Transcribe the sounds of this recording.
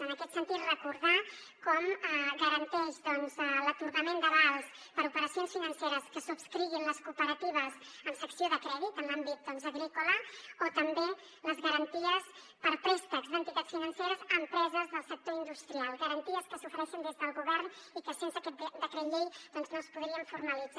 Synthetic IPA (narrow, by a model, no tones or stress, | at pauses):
ənəkɛt̪sənt̪it̪rəkuɾðakɔməɡəɾənt̪ɛʃðɔnzələt̪uɾɣəmend̪əβalˠspəɾupəɾəsionsfinənseɾəskəsupskɾiβinləskupəɾət̪iβəzəmsəksioðəkɾɛðit̪ənlambit̪̚d̪ɔnzəɣɾikuləot̪əmbe | ləzɣəɾənt̪iəs | pəɾpɾist̪əkzd̪ənt̪it̪at̪sfinənseɾəzəmpɾɛzəzðəlˠsək̚t̪oind̪ust̪ɾialˠɣəɾənt̪iəskəsufəɾɛʃind̪ezðəlˠɣuβɛɾnikəsensəkɛd̪əkɾəʎejd̪ɔnznospuð̞ɾiəɱfuɾməlid͡za